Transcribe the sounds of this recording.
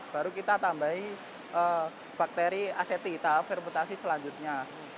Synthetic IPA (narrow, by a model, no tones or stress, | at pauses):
b̥aɾukit̪at̪ambai | ʔə | b̥ak̚t̪eɾiaset̪it̪afirmɛnt̪asisəlaɲd͡ʒut̪̚ɲa